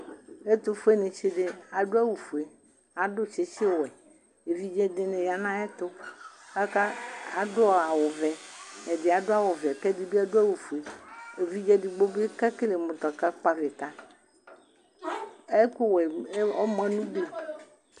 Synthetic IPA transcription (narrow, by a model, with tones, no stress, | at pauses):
e˦t̪ʊ˦fo˦e˦nẽ˨t͡ʃe˦de˦a˨ɖo˦a˦wu˨fu˨e˨ | a˨ɖʊ˦t͡ʃe˨t͡ʃe˦˨wɛ˨ | e˨vi˦d͡ʒɛ˦de˨nẽ˨ja˨nã˦ɛ˦t̪ʊ˦a˦ka˦a˨dʊ˦˨a˨wʊ˨vɛ˨ɛ˨dɪ˨a˨dʊ˦a˦wʊ˨vɛ˨kɛ˦di˨bi˦a˨do˦a˦wu˨fu˨e˨e˨vi˦d͡ʒɛ˦di˨ɡ͡bo˦be˦ka˦ke˦le˨mʊ̃˨t̪ɔ˨ka˦k͡pa˦ve˨t̪a˦ | e˦ku˦wɛ˨˦ɔ˦mɛ̃˦nũ˦ɡ͡bo˦